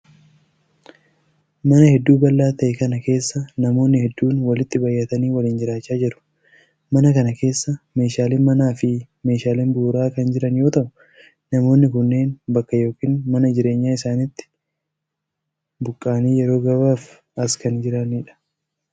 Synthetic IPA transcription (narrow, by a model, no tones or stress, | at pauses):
mɐnɐhɛd̪ːuːbɐlːaːt̪ɐʔɛkɐnɐke̞ːsːɐnɐmo̞ːnːɪhɛd̪ːuːnwɐlɪt̪ːɪbɐjːɐt̪ɐniːwɐliːnd͡ʒɪɾaːt͡ʃːaːd͡ʒɛɾʊ̥ | mɐnɐkɐnɐke̞ːsːɐme̞ːʃaːlɪnmɐnaːfɪ | me̞ːʃaːlɪnbuːɾaːkɐnd͡ʒɪɾɐnjo̞ːt̪ɐʔʊ | nɐmo̞ːnːɪkʊnːe̞ːnbɐkːɐjo̞ːkiːnmɐnɐd͡ʒɪɾe̞ːɲːaːɪsaːnɪt̪ːɪ̥ | bʊkʼːaːniːjɛɾo̞ːɡɐbaːf | ɐskɐnd͡ʒɪɾaniːᶑɐ̥